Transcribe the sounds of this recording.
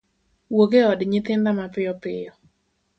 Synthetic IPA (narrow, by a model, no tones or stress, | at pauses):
woɡeɔdɲɪt̪ɪnd̪amapɪɔpɪjɔ